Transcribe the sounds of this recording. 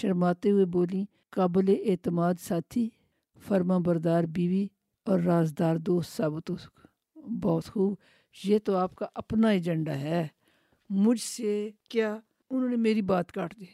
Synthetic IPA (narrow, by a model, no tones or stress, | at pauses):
ʃəɾmaːt̪eɦʊeboːlĩː | kaːbleʔeːt̪əmaːd̪saːt̪ʰiː | fʰəɾmãːbəɾd̪aːɾbiːʋiː | ɔːɾːaːzd̪aːɾd̪oːst̪saːbt̪ʊsk | bɔːt̪xuːb | jeːt̪oaːpkaʔɐpnaed͡ʒəɳɖaːɦɛː | mʊd͡ʒʱsekjaː | ʊnõːnemeːɾibaːt̪kaːʈʰd̪iː